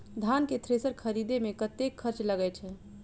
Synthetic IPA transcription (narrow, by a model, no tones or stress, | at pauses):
d̪ʱanket̪ʰɾesəɾkʰəɾid̪emekət̪ekʰːəɾt͡ʃləɡɛt͡ʃʰɛ